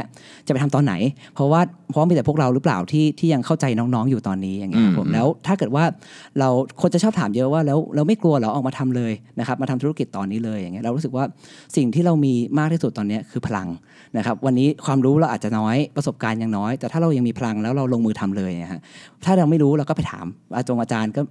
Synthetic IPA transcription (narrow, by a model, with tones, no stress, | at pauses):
t͡ɕa˨˩pa˧jt̪ʰmt̪ɔː˧nːa̰˩˦jpʰɾɔ˦˥waː˥˩pʰɔ˦˥miː˧t̪ɛ˨˩pʰu˥˩ək̚ɾa˧wɾɯ˦˥pla̰ː˨˩wt̪ʰiː˥˩t̪ʰiː˥˩ja˧ŋkʰa˥˩wt͡ɕa˧jnɔː˦˥ŋnɔː˦˥ŋjuː˨˩t̪ɔː˧nːiː˦˥ja˨˩ŋːi˦˥kʰa˦˥pʰːo˩˦mlɛː˦˥wt̪ʰaː˥˩kɤː˨˩t̪̚waː˥˩ | ɾa˧wkʰo˧nt͡ɕa˨˩t͡ɕʰɔː˥˩p̚t̪ʰaː˩˦mjɤ˦˥ʔwaː˥˩lɛː˦˥wlɛː˦˥wma˥˩jklu˧ɐlɛː˨˦˥wʔɔː˨˩k̚maː˧t̪ʰa˧mlɤː˧jna˦˥kʰa˦˥p̚ma˧a˧mt̪ʰu˦˥a˦˥ki˨˩t̪ːɔː˧nːiː˦˥lɤː˧ja˨˩ŋːi˦˥ɐɾa˧ɾu˦˥sɯ˨˩k̚waː˥˩si˨˩ŋt̪ʰiː˥˩ɾa˧wmiː˧maː˥˩k̪̚ʰiː˥˩su˨˩t̪ːɔː˧nːi˦˥ɐkʰɯː˧pʰa˧la˧ŋ | na˦˥kʰa˦˥p̚wa˧nːiː˦˥kʰwaː˧mɾuː˦˥ɾa˧wʔaː˨˩t͡ɕa˨˩nɔː˦˥jpɾa˧so˨˩p̚kaː˧nja˧ŋnɔː˦˥jt̪ɛ˨˩aː˥˩ɾa˧wja˧ŋmiː˧pʰa˧la˧ŋlɛː˦˥wɾa˧wlo˧ŋmɯː˧t̪ʰa˧mlɤː˧jʰa̰˦˥t̪ʰaː˥˩ɾɾwma˥˩jɾuː˦˥ɾa˧wkɔː˥˩pa˧jt̪ʰa̰ː˩˦mʔa˧t͡ɕo˧ʔaː˧t͡ɕaː˧nkɔː˥˩